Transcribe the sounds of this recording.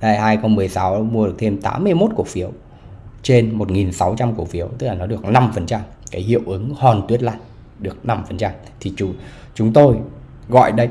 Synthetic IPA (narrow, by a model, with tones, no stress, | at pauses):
haː˧jhaː˧jxə˧wŋ͡mmɨ˨˩ə˩jsa˨˦wmu˧ə˧ɨ˨˩k̚t̪ʰe˧mt̪a̰ː˨˦mːɨ˧əjmo˦˥t̚ku˧˩əfi˨˦əw | t͡ɕe˧nmo˨˩t̚ŋi˨˩nsa˨˦wt͡ɕa˧mku˧˩əfi˨˦əwt̪ɨ˦˥k̚laː˨˩nɔ˨˦ɗɨ˨˩ək̚na˧mfə˨˩nt͡ɕa˧m | kaː˨˦jhḭ˧˨əwʔɨ˨˦ŋhɔ˨˩nt̪wi˦˥ət̚la̰ː˧˩j | ɗɨ˨˩ək̚na˧mfə˨˩nt͡ɕa˧m | t̪ʰi˨˩t͡ɕu˧˩ | t͡ɕʊ˨˦ŋ͡mt̪o˧j | ɣɔ̰˧˨jɗə˧j